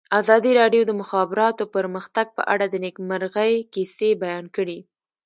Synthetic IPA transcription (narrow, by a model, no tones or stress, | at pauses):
azɑd̪iɾɑɖjod̪əmʊxɑbɪɾɑt̪opəɾməxt̪aɡ̚pə̰ʔa̰ɽad̪ənekmaɾɣəjkisebajɑnkəɽi